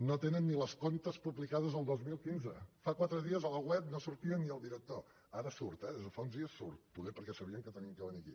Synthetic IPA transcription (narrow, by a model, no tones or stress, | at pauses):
not̪enənːiləskont̪əspuβlikað̞əzəlˠd̪ozmilˠkinzəfakwat̪ɾəðiəzəlˠəwɛp̚nosuɾt̪iənːiəlˠd̪iɾək̚t̪o | aɾəsuɾt̪ɛðezðəfaunzðiəsːṵɾt̪̚puðepəɾkɛsəβ̞iəŋkət̪əniŋkəβəniəkḭ